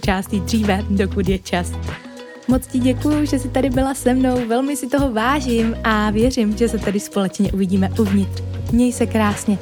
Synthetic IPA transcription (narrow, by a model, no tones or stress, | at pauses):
t͡ʃaːst̪id̪r̝iːvɛdo̞kudjɛt͡ʃas | mo̞t͡scɪɟɛkujuʒɛsɪt̪adɪbɪlasɛmno̞wvɛlmɪsɪt̪o̞ɦo̞vaːʒɪmʔavjɛr̝ɪmʒɛsɛt̪adɪspo̞lɛt͡ʃɲɛʔuvɪɟiːmɛʔuvɲɪt̪r̥mɲɛjsɛkɾaːsɲɛ